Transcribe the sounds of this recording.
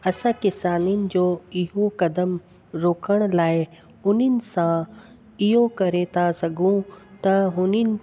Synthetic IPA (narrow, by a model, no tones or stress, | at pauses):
ɐsãkɪsaːnijənɪ̆d͡ʑoːɪɦokɐd̪əm | ɾoːkʰəɽ̃̆laːɪ | ʊnənɪ̆sã | ɪɦokɐɾet̪ʰasɐɡʱũt̪ɐɦʊnɪnɪ̆